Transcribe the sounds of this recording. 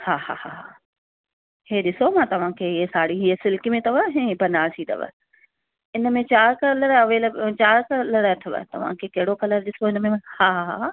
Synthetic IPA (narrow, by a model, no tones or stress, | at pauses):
haːha̰ːhaːɦa | heːɗɪsomãt̪ɐʋ̤ãkʰeːəsaːɽiɦiəsɪlkimẽt̪ɐʋəɦɛ̃bʱɐnaːsʰĩːd̪ɐ̰ʋə̰ | ɪnə̆mẽt͡ɕaːɾkələɽʋelɐt͡ɕaːɾkəlɐɽəɐtʰɪʋə̰t̪ɐ̰ʋ̤ã̰kʰeːkɐɦɪɽokɐləɾɗɪsoɪnəmẽhaːɦaɦaː